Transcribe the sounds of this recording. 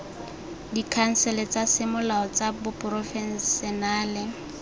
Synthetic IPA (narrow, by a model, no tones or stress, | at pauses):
dikʰaŋ̩sɛlɛt͡sasɪmʊlaɔt͡sabʊpʼʊrɔfɛnsɛnaːlɪ